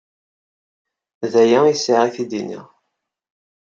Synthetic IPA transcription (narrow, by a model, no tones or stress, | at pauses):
ðæjæisiʕiθid̪inḭʁ